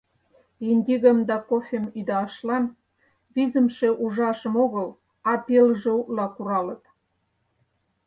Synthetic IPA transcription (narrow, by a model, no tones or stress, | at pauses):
inʲd̪ʲiɣə̆md̪ɑkofʲemid̪ɑʃlɑn | βizə̆mʃeʔuʒɑʃə̆moɣəl | ɑpelʒĕulɑkuɾɑlət̪